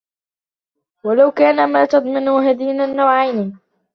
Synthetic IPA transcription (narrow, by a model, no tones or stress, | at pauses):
walawkaːnamaːt̪ɑd̪ˤmɑnʊɦad̪iːnanːawʕajni